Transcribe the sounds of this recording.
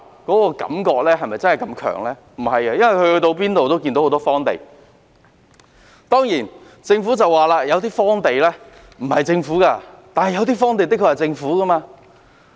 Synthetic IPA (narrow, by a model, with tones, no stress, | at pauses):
kɔː˨˥kɔː˧kɐ̰˨˥mkɔː˧k̚lɛː˥ɦɐ˨jmɐ˨jt͡sɐ˥nhɐ˨˩jkɐ˧mkʰœ̰ː˨˩ŋlɛː˥ | m̩˨˩hɐ˨jkɐ˧jɐ˥nwɐ˨jhɵ˧hɵ˧jt̪o˧wp̬iː˥nt̪o˨wt̪o˥wk̬i˧nt̪o˧who˨˥t̪ɔ˥fɔː˥ŋt̪e˨j | t̪ɔː˥ŋjiː˨˩n | t͡sɪ˧ŋfu˨˥t͡sɐ˨wːaː˨˩laː˧jɐ˨˧wt̪iː˥fɔː˥ŋt̪e˨jlɛː˥ | m̩˨˩hɐ˨˩jt͡sɪ˧ŋfuː˨˥kaː˧t̪aː˨nhɐ˨˩jɐ˨˧wt̪iː˥fɔː˥ŋt̪e˨jt̪kʰːɵ˧ja˨˩t͡sɪ˧ŋfuː˨˥kɐ˥maː˧